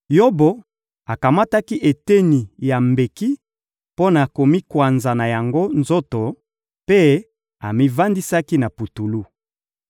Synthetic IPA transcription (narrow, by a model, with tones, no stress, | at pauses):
jo˦bo˨ | a˨ka˨ma˦ta˦ki˦ʔe˨te˦ni˨ja˨mbe˨ki˦ | po˦na˨ko˨mi˦kwa˨nza˨na˨ja˨ŋɡo˦nzo˦to˨ | pe˦ | a˨mi˦va˦ndi˦sa˦ki˦na˨pu˨tu˨lu˦